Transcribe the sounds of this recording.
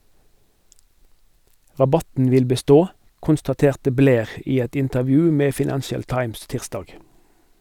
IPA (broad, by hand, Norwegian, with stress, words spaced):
ʁɑˈbɑtn̩ ˈʋɪl bəˈstoː kʊnstɑˈteːʁtə ˈbleːʁ ˈiː ˈɛt ɪntəʁˈʋjʉː ˈmeː fɪˈnænʃəl ˈtɑɪms ˈtɪʁsdɑːɡ